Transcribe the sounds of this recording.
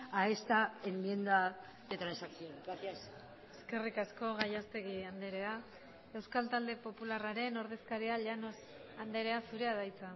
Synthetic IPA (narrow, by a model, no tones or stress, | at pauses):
aest̪aemmje̞nd̪a | ðe̞t̪ɾansakθjonɾaθjas | e̞ske̞rikasko̞ɣajast̪e̞ɣiand̪eɾe̞a | e̞wskalt̪ald̪e̞po̞pularaɾe̞no̞ɾð̞e̞skaɾiaʎano̞s | and̪eɾe̞asuɾe̞aðajt͡sa